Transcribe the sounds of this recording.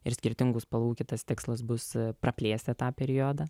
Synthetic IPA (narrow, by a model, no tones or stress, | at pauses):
ɪɾsʲkʲɪɾʲt̪ʲɪŋɡʊspɐlˠuːkʲɪt̪ɐst̪ʲɪkslˠɐs̬bʊsprɐpʲlʲeːsʲt̪ʲɛt̪ɑːpʲɛɾʲɪjoːd̪ɑː